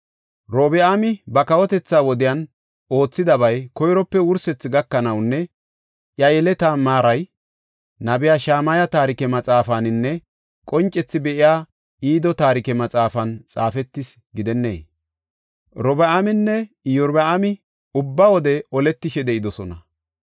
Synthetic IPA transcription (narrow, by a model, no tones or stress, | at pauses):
ɾoːbɛamɪbɐkɐwɔt̪ɛt͡sːaːwɔd̪ɪjɐn | o̞ːt͡sːɪd̪ɐβɐjkɔjɾɔpːɛwʊɾsɛt͡sːɪɡɐkːɐnɐwnːɛ | ʔjɐjɛlɛt̪aːmaːɾɐj | nɐbɪjaːʃaːmɐjɐt̪aːɾɪkɛmɐt͡sʼaːfanɪnːɛ | kʼɔnt͡ʃʼːɛt͡sːɪbɛʔɪjaː | iːd̪ɔt̪aːɾɪkɛmɐt͡sʼaːfɐnt͡sʼa̰ːfɛt̪ːɪs | ɡɪd̪ɛnːḛː | ɾɔbɛamɪnːɛ | jɔɾbɛamɪ | ʊbːawɔd̪ɛɔlɛt̪ːɪʃɛd̪ɛʔɪd̪ɔsɔnɐ